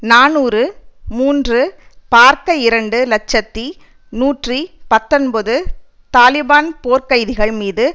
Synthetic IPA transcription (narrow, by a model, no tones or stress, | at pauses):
naːnuːɾɯmuːndrɯpaːɾkɐɪɾɐɳɖɯlɐt͡ʃːɐt̪ːi | nuːʈripɐt̪ːɔnbɐðɯ | t̪aːlɪbaːnpoːɾkɐjðɪɣɐɭmiːðɯ